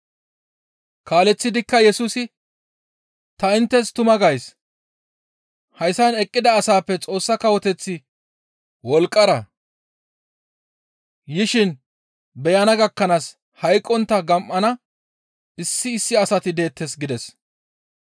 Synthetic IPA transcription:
kaːlɛt͡sːɪd̪ɪkːɐjɛsuːsɪ | t̪ɐɪnt̪ːɛst̪ʊmɐɡɐjs | hɐjsɐnɛkʼːɪd̪ɐːsaːpːɛt͡sʼo̞ːsːɐkɐwɔt̪ɛt͡sːɪ | wɔlkʼːɐɾɐ | jɪʃɪn | bɛjɐnɐɡɐkːɐnaːs | hɐjkʼːɔnt̪ːɐɡɐmʔːɐnɐ | ɪsːɪːsːɪɐsɐt̪ɪd̪e̞ːt̪ːɛsɡɪd̪ɛs

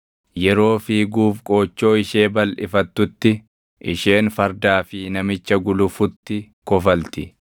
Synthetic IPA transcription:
jɛɾo̞ːfiːɡuːfkʼo̞ːt͡ʃːo̞ːɪʃe̞ːbɐlʔɪ̰fɐt̪ːʊt̪ːɪ | ʔɪ̰ʃe̞ːnfɐɾd̪aːfɪnɐmɪt͡ʃːɐɡʊlʊfʊt̪ːɪ | kɔfɐlt̪ɪ

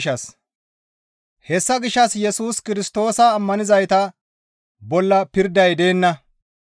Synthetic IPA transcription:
ʃɐs | hɛsːɐɡɪʃɐsjɛsuːskɪɾɪst̪o̞ːsɐːmːɐnɪzɐjt̪ɐ | bɔlːɐpɪɾd̪ɐjd̪e̞ːnːɐ

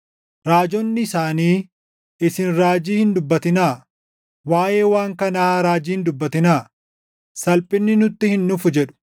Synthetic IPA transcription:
ɾaːd͡ʒɔnːɪːsaːniː | ɪsɪnɾaːd͡ʒiːhɪnd̪ʊbːɐt̪ɪnaː | waːjeːwaːŋkɐnaːɾaːd͡ʒiːhɪnd̪ʊbːɐt̪ɪnaː | sɐlpʼɪnːɪnʊt̪ːɪhɪnːʊfʊd͡ʒɛᶑʊ̥

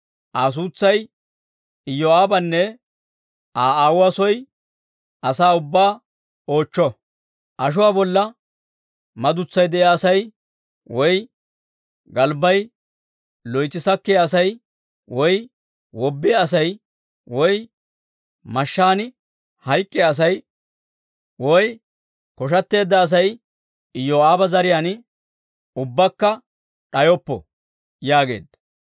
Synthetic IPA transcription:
ʔaːs̬uːt͡sːɐj | ɪjːɔaːbɐnːɛ | aːaːwʊasɔj | ɐsaːʊbːaː | o̞ːt͡ʃːɔ | ʔɐʃ̬ʊwaːbɔlːɐ | mɐd̪ʊt͡sːɐjd̪ɛʔjaːsɐj | wɔj | ɡɐlbɐj | lɔjt̪ːɪsɐkːɛjɐsɐj | wɔj | wɔbːɪjːs̬ɐj | wɔj | mɐʃːaːnɪ | hɐjkʼːɛːs̬ɐj | wɔj | kɔʃ̬ɐt̪ːe̞ːd̪ːɐːs̬ɐj | ɪjːɔaːbɐzɐɾɪjaːn | ʊbːɐkːɐ | ᶑɐjɔpːɔ̰ | jaːɡe̞̰ːd̪ːɐ̥

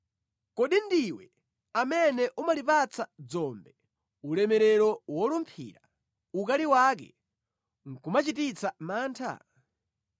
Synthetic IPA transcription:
kɔɗindiwɛ | amɛnɛʔumalipat͡sad͡zɔmbɛ | ulɛmɛɾɛɾɔwɔlumpʰḭːɾa | ukaliwaːk̬ɛ̰ | ŋ̩kumat͡ʃitit͡samaːntʰa̰

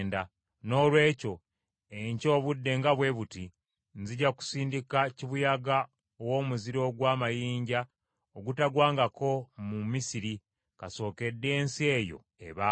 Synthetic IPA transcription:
nda | no̞ːlwe̞ːco̞ | eɲco̞ːβudːe̞ŋɡaβwe̞βuti | nziɟaku̥siːndikaciβujaɡa | owo̞ːmuziɾo̞ɡwaːmajiːɲɟa | oɡutaɡwaːŋɡako̞mumisiɾi | kaso̞ːke̞dːe̞ːnsie̞ːjo̞̰ | ḛβa

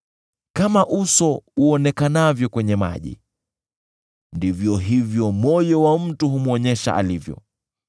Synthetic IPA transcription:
kamaʔusɔuɔnɛkanavjɔkwɛɲɛma̰ʄḭ | ndivjɔɦivjɔmɔjɔwam̩tuɦumuɔɲɛʃa̰ʔa̰livjɔ̰

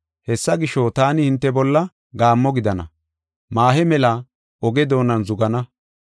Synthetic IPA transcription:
hɛsːɐɡɪʃot̪aːnɪhɪnt̪ːɛbɔlːɐ | ɡaːmːɔɡɪd̪ɐnɐ̰ | maːhɛmɛlɐ | ɔɡɛd̪o̞ːnɐnzʊɡɐnɐ

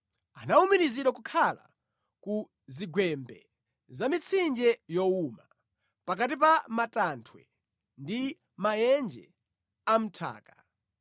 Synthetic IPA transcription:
anaumiɾiziɗakukʰala̰ | ku | ziɡwɛmbɛ̰ | zamit͡sʰind͡ʒɛjɔuma | pak̬atip̬amatantʰwɛ̰ | ndi | majɛnd͡ʒɛ̰ | am̩tʰa̰ːka

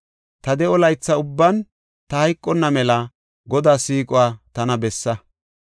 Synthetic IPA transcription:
t̪ɐd̪ɛʔɔlɐjt͡sːɐʊbːɐn | t̪ɐhɐjkʼːɔnːɐmɛlɐ | ɡɔd̪aːsiːkʼʊwaːt̪ɐnɐbɛsːɐ

